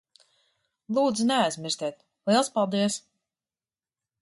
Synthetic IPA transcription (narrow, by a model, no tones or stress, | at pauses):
lˠuːd̪znɛajzmʲiɾsʲt̪ʲɛːt̪ | lˠiɛlˠspalˠd̪iɛs